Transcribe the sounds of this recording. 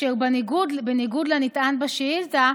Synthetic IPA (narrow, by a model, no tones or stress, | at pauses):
ebnɡudbeniɡud̪lanit̪ʔanbaʃeilza